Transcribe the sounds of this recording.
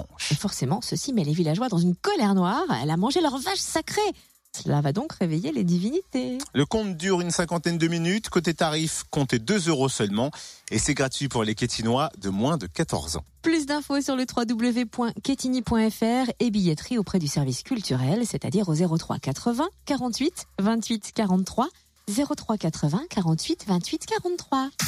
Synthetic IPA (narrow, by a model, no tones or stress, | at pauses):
efɔʁsemɑ̃səsimɛlevilaʒwad̪ɑ̃zynkɔlɛʁnwaʁɛ̰lamɑ̃ʒelœʁvaʃsakχe | səla̰vad̪ɔ̃kʁevejeled̪ivinit̪eləkɔ̃t̪d̪yʁynsɛ̃kɑ̃t̪ɛnd̪əminyt̪kot̪et̪aʁifkɔ̃t̪ed̪əzøʁosœlmɑ̃esɛɡʁat̪ɥipuʁlekʲet̪ʰinwad̪əmwɛ̃d̪əkat̪ɔ̰ʁzɑ̰̃plys̬d̪ɛ̃fosyʁlət̪χwad̪ubləvepwɛ̃kʲet̪inipwɛ̃ɛfɛʁebijɛt̪χiopχɛd̪ysɛʁviskʲylt̪yʁɛlset̪a̰d̪iʁozeʁot̪χwa̰kat̪χəvɛ̃kaʁɑ̃t̪ɥit̪vɛ̃t̪ɥit̪kaʁɑ̃t̪t̪ːχwa | zeʁot̪χwakat̪χəvɛ̃kaʁɑ̃t̪ɥit̪vɛ̃t̪ɥit̪kaʁɑ̃t̪t̪ːχwa